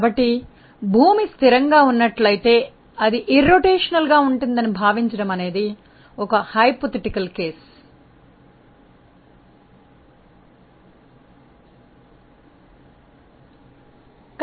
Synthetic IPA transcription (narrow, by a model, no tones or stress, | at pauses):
bɐʈːi | bʱuːmist̪iɾɐŋɡaːunːɐʈlɐjit̪e̞ː | ɐd̪iʔiɾːoʈeːʂɐnɐlɡaːuɳʈund̪ɐnibʱaːʋiɲt͡ʃɐɽɐmɐne̞ːd̪i | ɔkɐhɐjpot̪iʈikɐlke̞ːs | k